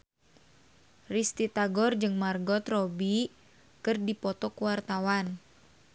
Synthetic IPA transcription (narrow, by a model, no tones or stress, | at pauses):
rist̪it̪aɡɔrd͡ʒɨŋmarɡɔt̪rɔbi | kɨrdipɔt̪ɔkuwart̪awan